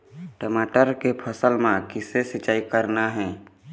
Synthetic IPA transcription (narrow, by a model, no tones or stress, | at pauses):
ʈəmaːʈəɾkepʰəsəlmãkɪsesɪt͡ʃaːikəɾnaɦɛ̃ː